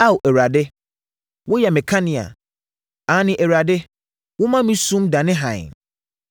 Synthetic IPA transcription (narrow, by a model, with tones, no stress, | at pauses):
a˦wɛ˨ɾa˨dɪ˦ | wʊ˦jɛ˨mɛ̃˨kʰa˦nɪ̃˨a̰˨ | ã˨˦nɪ̃˨ʔɛ˨wɾa˨dɪ˦ | wʊ˦mã˦mĩ˦sũ˦mdã˨nɪ̃˦ɦã˨ɲ̰˨